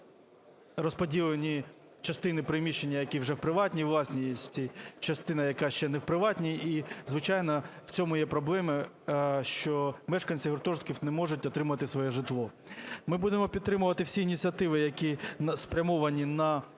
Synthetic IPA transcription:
rɔspɔdʲilˠenʲi | t͡ʃɐst̪ɪnɪpɾɪmʲiʃenʲːɐjɐkʲiwʐɛwpɾɪʋɑtʲnʲiʋlˠɑsʲnʲijesʲtʲt͡sʲijt͡ʃɐst̪ɪnɐjɐkɑʃt͡ʃɛnɛwpɾɪʋɑtʲnʲiizʋɪt͡ʃɑjnɐw̥t͡sʲɔmʊjɛpɾɔblˠɛmɪ | ʃt͡ʃɔmɛʃkɐnʲsʲiɦɔrt̪ɔʐt̪kʲiwnɛmɔʐʊt̚ʲɔt̪ɾɪmʊɐɐt̪ɪsʋɔjɛʒɪt̪lˠɔ | mɪbud̪emɔpʲid̪̚t̪ɾɪmʊʋɐt̪ɪwsʲiːnʲit͡sʲiɐt̪ɪʋɪjɐkʲiɐspɾʲɐmɔʋɐnʲinɐ

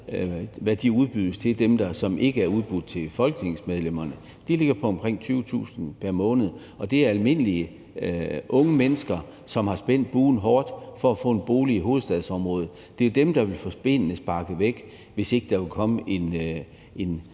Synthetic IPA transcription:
ʋæd̥iuð̞ˠb̥yð̰ˠst͡sʰe̝d̥emd̥ɑ̈sɒ̽mʔe̝ɡ̥əæɐuð̞ˠb̥ud̥̚t͡sʰe̝lfɒ̽lɡ̥ne̝ŋsmeð̞ˠlem̰ɐnə | d̥ele̝ɡ̥ɐpʰɒ̽ːmkʰʁeŋ̰t͡sʰyːʊət͡sʰṵːsn̩pʰæɐmɔ̽ːnəð̞̩ˠ | ɒ̽d̥e̝æɐælme̝n̰əliə | ʔɔ̽ŋəmenəsɡ̥ɐ | sɒ̽mhɑ̈sb̥en̰d̥̚b̥uːn̩ɦɒːd̥fɒ̽æfɔ̰ːnb̥o̝ːliɦo̝ːð̩ˠsd̥ɛð̞ˠsɒ̽mʁɔ̽ːð̞ˠ | d̥e̝d̥emd̥ɑ̈ʋe̝lfɒ̽sb̥e̝n̰əsb̥ɑ̈ɡ̥əʋeɡ̥ | ʋe̝se̝ɡ̥əd̥ɑ̈ʋe̝lkʰɒ̽məʔe̝n | en

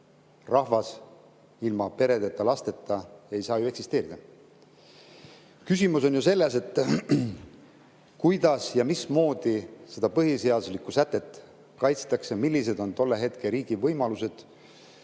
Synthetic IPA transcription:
rʔɑhvɑs | ilmɑpe̞ɾe̞d̪e̞t̪ːˑɑlɑst̪e̞t̪ːˑɑejsɑːjue̞ksist̪e̞ːɾid̪̥ɑ | kys̬imuso̞njuse̞lːe̞se̞t̪ˑː | kujd̪ɑsjɑmismo̞ːd̪̥ise̞d̪̥ɑpɤɦise̞ɑd̪uslikːˑusæt̪ːˑe̞t̪ːˑ | kɑjt̪st̪ɑkse̞milːis̬e̞d̪o̞nt̪o̞lːe̞ɦe̞t̪keɾiːɡ̥ivɤjmɑluse̞d̪̥

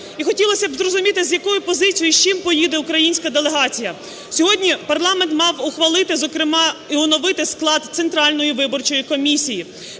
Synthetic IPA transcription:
ixɔtʲilˠɐsʲɐbzrɔzʊmʲit̪ɪzʲjɐkɔjʊpɔzɪt͡sʲjiʃt͡ʃimpɔjid̪eʊkɾɐjinʲsʲkɐd̪elˠeɦɑt͡sʲijɐ | sʲɔɦɔdʲnʲipɐrlˠɑment̪mɑwʊxʋɐlˠɪt̪ɪzɔkɾɪmɑiɔnɔʋɪt̪ɪsklˠɑd̪t̪sent̪ɾɑlʲnɔjiʋɪbɔrt͡ʃɔjikɔmʲisʲiji

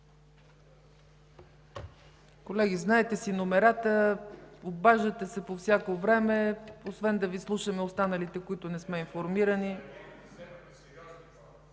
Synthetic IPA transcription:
kolɛɡ̟iznaɛt̪ɛsinomɛɾat̪ə | obaʒət̪ɛsɛpofsʲjakovɾɛmɛosvɛnd̪ɐvislˠuʃəmɛost̪anəlit̪ɛkoit̪ʊnɛsmɛinfoɾmiɾəni

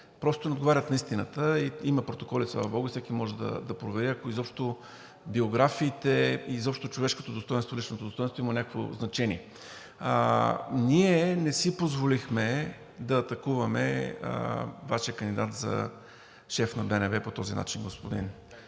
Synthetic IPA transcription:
pɾɔst̪onɛod̪ɡovaɾʲət̪nɐist̪inət̪əiiməpɾot̪okɔlislˠa̰vɐbɔɡʊisɛkimɔʒɛd̪ɐ̰d̪ɐpɾovɛɾiɐkoizɔpʃt̪o | bioɡɾafiːt̪ɛizɔpʃt̪t̪ot͡ʃovɛʃko̥t̪od̪ost̪ɔjɛnt̪oilit͡ʃnot̪od̪ost̪ɔɛnt̪voimɐnʲakəkvo̰znɐt͡ʃɛniɛ | niɛnɛsipozvolixmɛ | d̪ɐːt̪ɐkuvɐmɛ̰ | vaʃijəkənd̪id̪at̪zɐ̰ | ʃɛfnɐbɛnɛvɛpot̪ɔzina̰t͡ʃinɡospod̪ḭn

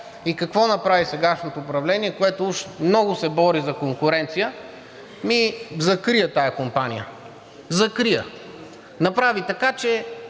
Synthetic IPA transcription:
ikɐkvɔnɐpɾavisɛɡaʃnot̪oːpɾɐvlɛniɛkoɛt̪ʊuʃmnɔɡʊsɛbɔɾizɐkoŋkʊɾɛnt̪sijə | mizɐkɾijət̪ajɐkompanʲḭjə̰ | zɐkɾijə | nɐpɾavit̪ɐkat͡ʃɛ

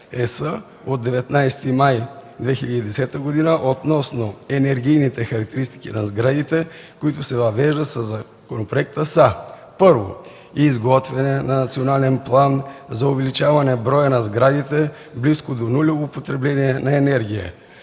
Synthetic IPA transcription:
ɛsə | od̪ːɛvɛt̪najst̪imajd̪vɛxilʲɐd̪id̪ɛsɛt̪əɡod̪inəʔot̪nɔsnoɛnɛɾɡ̟ijnit̪ɛxɐɾɐk̚t̪ɛɾist̪i̥kḭnɐzɡɾad̪it̪ɛ | koit̪ʊsɛvɐvɛʒd̪ət̪səzɐ | konopɾoɛk̚t̪əsa | pɤɾvo̰ | iːzɡɔt̪vɛnɛnɐnɐt̪sionalɛnplˠanzɐovɛlit͡ʃavɐnɛbɾɔjənɐzɡɾad̪it̪ɛ | bliskod̪onulʲovopot̪ɾɛblɛniɛnɐɛnɛɾɡʲijə̰

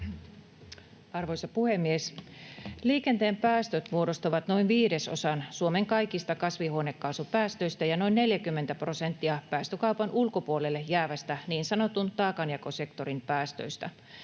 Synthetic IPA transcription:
ɑrʋojsɑpuhemːies | liːkent̪eːmpæːst̪øt̪muodost̪ɑʋɑt̪no̞inʋiːdeso̰sɑnsuomeŋkɑjkist̪ɑkɑsʋihuonekːɑːsupæːst̪øjst̪æjɑno̞inːeljækymːent̪æpro̞sent̪ːiɑpæːst̪økɑupɑnʔulkopuolelːejæːʋæst̪æniːnsɑnot̪unt̪ɑːkɑnjɑkose̞kt̪o̞rimpæːst̪ø̰jst̪æ

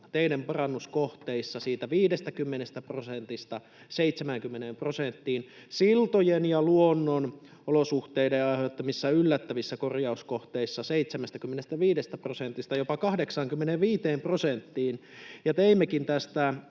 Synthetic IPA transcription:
t̪einempɑrɑnːuskoht̪eisːɑsiːt̪æʋiːdest̪ækymːenest̪æprosent̪ist̪ɑ | seit̪semæŋkymːenemprosent̪ːiːn | silt̪ojenjɑluonːon | olosuht̪eideɑihet̪ːɑmisːæylːæt̪ːæʋisːækorjɑuskoht̪eisːɑseit̪semæst̪ækymːenest̪æʋiːdest̪æprosent̪ist̪ɑjopɑkɑhdeksɑŋkymːeneʋʋiːt̪eːmprosent̪ːiːn | jɑt̪eimːekint̪æst̪æ

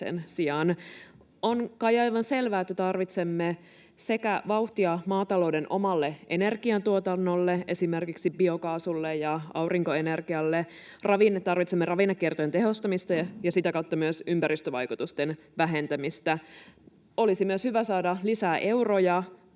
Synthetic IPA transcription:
ḛnsiɑn | onkɑjɑjʋɑnse̞lʋæːet̪ːæt̪ɑrʋit̪semːe | se̞kæʋɑuht̪iɑmɑːt̪ɑloudenʔo̞mɑlːeʔe̞̰ne̞rɡ̥iɑnt̪uot̪ɑnːolːee̞simerkiksibio̞kɑːsulːejjɑɑ̰wriŋkoenerɡiɑlːe | rɑʋinet̪ɑrʋit̪semːerɑʋinːɑkːert̪ojent̪eɦost̪ɑmist̪ɑjɑsit̪ækɑut̪ːɑmyøsympæɾist̪øʋɑ̰jkut̪ust̪enʋæɦent̪æmist̪æ | olisimyøshyʋæsɑːdɑlisæːʔe̞urojɑ

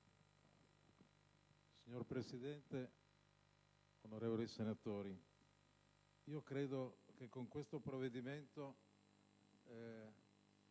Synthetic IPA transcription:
siɲorpɾesid̪ɛnt̪e | onoɾeːvolisenat̪oːɾi | iːokɾeːd̪ok̟ekːoŋkwest̪opɾoved̪iment̪o

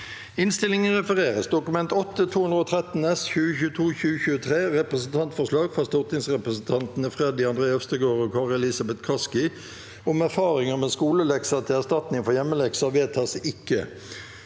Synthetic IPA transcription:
ɪnst̪ɪlɪŋənʁɛfəʁeːʁəsd̪ʊkʉmɛnt̪ɔt̪ːət̪ʰuːʉnd̪ʁɔːt̪ʰʁɛt̪n̩ɛsçʉːəçʉːət̪ʰuːçʉːəçʉːət̪ʰʁeːʁɛpʁəsn̩t̪ʰɑnt̪fɔslɑːɡfɑst̪ɔʁt̪nɪŋsʁɛpʁəsn̩t̪ʰɑnt̪nəfʁɛd̪ɪɑnd̪ʁeːœst̪əɡoːʁɔkʰɑːʁɪlɛlɪsɑbɛt̪kʰɑskɪ | ʊmæʁfɑːʁɪŋəmɛːskuːləlɛksɑt̪ʰɪlæʁst̪ɑt̪nɪŋfɔjɛmːəlɛɡsɑʋeːt̪ʰɑːsɪkːə̰

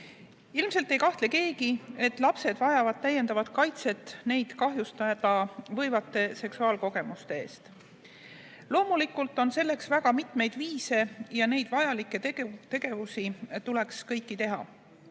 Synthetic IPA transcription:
ilmse̞lt̪ːe̞jkɑht̪le̞ke̞ːɡie̞t̪ːˑlɑpse̞d̪̥vɑjɑvɑd̪̥̚t̪æjːe̞nd̪ɑvɑd̪̥kɑjt̪se̞t̪ːˑne̞jd̪̥kɑɦjust̪ɑd̪ɑvɤ̞jvɑt̪ːˑe̞se̞ksuɑːlko̞ɡe̞must̪e̞ḛːst̪ | lo̞ːmulikːˑult̪ːˑo̞nse̞lːe̞ksvæɡ̥ɑmit̪mejd̪̥viːse̞jɑne̞jd̪̥vɑjɑlikːˑe̞t̪e̞ɡ̥e̞vusit̪ule̞kskɤjkːit̪e̞ɦɑ̰

